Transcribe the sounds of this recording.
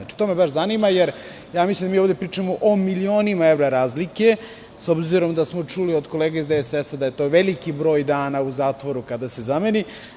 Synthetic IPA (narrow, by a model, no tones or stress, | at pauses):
at͡ʃi̥t̪o̞ːmebaʃzanimajeɾ | jaːmislʲimd̪amioʋd̪epɾiːt͡ʂamoʔomilioːnimaevɾaɾaːzlike̞ | sobziɾo̞md̪asmo̞t͡ʂuliod̪ko̞leːɡaizd̪eesesad̪aje̞t̪o̞ːʋelikibɾo̞ːjd̪aːnauzaːt̪ʋo̞ɾukad̪asezameni